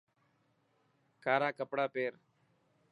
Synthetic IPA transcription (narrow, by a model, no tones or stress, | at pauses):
kʰaːɾaːkəpɽaːpeːɾ